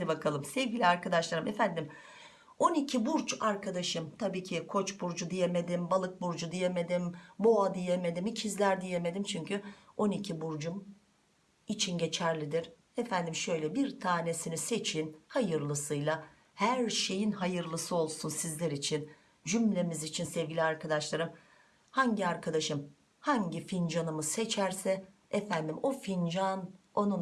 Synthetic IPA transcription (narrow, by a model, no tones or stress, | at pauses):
nʲbakʰalˠɯmsevɟilʲiaɾkʰad̪aʃlˠaɾɯmefænd̪im | o̞nicʰibuɾt͡ʃaɾkʰad̪aʃɯmt̪ʰabiːcʰikʰo̞t͡ʃbuɾd͡ʒud̪ije̞me̞d̪imbalˠɯk̚buɾd͡ʒud̪ije̞me̞d̪imbo̞ad̪ije̞me̞d̪imicʰizlʲæɾd̪ije̞me̞d̪imt͡ʃʰyɲcʰyo̞nicʰibuɾd͡ʒum | it͡ʃʰinɟe̞t͡ʃʰæɾlʲid̪iɾ̥ | ɛfænd̪imʃø̞jlʲɛbiɾt̪ʰaːne̞sinise̞t͡ʃʰinhajɯɾlˠɯsɯjlˠa | hæɾʃe̞jinɦajɯɾlˠɯsɯo̞lˠsunsizlʲeɾit͡ʃʰin | d͡ʒymlʲe̞mizit͡ʃʰinsɛvɟilʲiaɾkad̪aʃlˠaɾɯm | haɲɟiaɾkʰad̪aʃɯm | haɲɟifind͡ʒanɯmɯse̞t͡ʃʰæɾsɛ | ɛfænd̪imo̞find͡ʒano̞nu